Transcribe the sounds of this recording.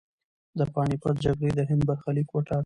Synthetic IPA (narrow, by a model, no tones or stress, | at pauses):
d̪əpɑnipat̪̚d͡ʒaɡɽed̪əɦɪnd̪̚baɾxalikwaʈʰɑ